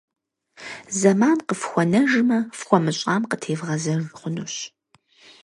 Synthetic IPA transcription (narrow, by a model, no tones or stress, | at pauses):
zɐmaːnqəfxʷɔnɐʒmɐfxʷɔmɨɕʼaːmqətʰeːvʁɐzɐrχʷʊnuːɕ